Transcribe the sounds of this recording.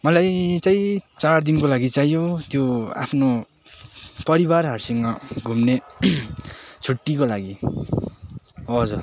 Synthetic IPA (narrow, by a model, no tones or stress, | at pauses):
mʌlajt͡saĩt͡sard̪inkolaɡit͡sajjot̪joa̰pʰno | pʌɾibarɦarsiŋmaɡʱumne | t͡sʰuʈːikolaɡi | ʌd͡zu